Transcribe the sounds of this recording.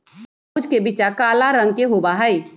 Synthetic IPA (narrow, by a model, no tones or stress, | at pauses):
ud͡ʒkebit͡ʃakaːlaɾə̃ŋɡ̚keɦobaɦɛi